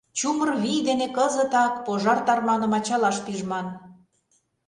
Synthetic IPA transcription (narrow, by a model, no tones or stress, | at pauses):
t͡ɕumərβid̪enekɤzə̆t̪ɑkpoʒɑrt̪ɑrmɑnɤ̆mɑt͡ɕɑlɑʃpiʒmɑn